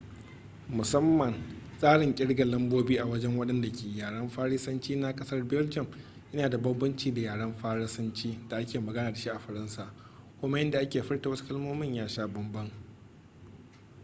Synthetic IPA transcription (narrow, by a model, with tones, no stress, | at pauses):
mʊ˨sɐ˦mːɐ˨nsʼaː˦ɽɪ˨ŋkʲʼɪ˦ɽɡa˨lɐ˦mboː˦biː˦ʔa˨wɐ˦d͡ʒɛ˦ŋwɐ˦ɗɐ˦nda˨kʰʲeː˨jaː˨ɽɐ˦mɸaː˦ɽɪ˦sɐ˦nt͡ʃiː˦na˦kʼɐ˦sɐ˦rbɛ˦ld͡ʒɐ˨m | ʔɪ˦naː˨da˨bɐ˦bːɐ˦nt͡ʃiː˨da˨jaː˨ɽɐ˦mɸaː˦ɽɪ˦sɐ˦nt͡ʃiː˦d̥a˨ʔa˦kʲeː˨mɐ˨ɡɐ˦naː˨da˨ʃi˦ʔa˨ɸɐ˨ɾɐ˦nsaː˨ʔ | kʷʊ˦ma˦jɪ˦nda˨ʔa˦kʲeː˨ɸɐ˦rta˨wɐ˦su̥˦kɐ˦lmoː˦mɪ˦˨ɲjaː˦ʃaː˦bɐ˦mbɐ˦ŋ